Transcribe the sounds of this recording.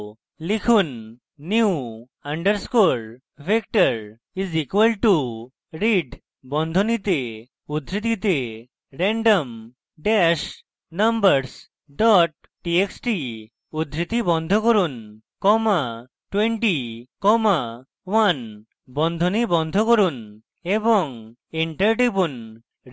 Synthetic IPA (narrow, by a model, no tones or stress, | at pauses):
likʰunː | iu | aɳɖəɾskoɾ | bʱekʈəɾ | izikʋəlʈu | ɾiɖ | bɔnd̪ʱɔnit̪e | ud̪ʱɾit̪it̪e | ɾɛɳɖəm | ɖɛʃ | nɐmbəɾs | ɖɔʈ̚ | ʈieksʈi | ud̪ʱɾit̪ibɔnd̪ʱokoɾun | kɔma | ʈweɳʈikɔma | wan | bɔnd̪ʱonibɔnd̪ʱokoɾun | ebɔŋ | iɳʈəɾʈibun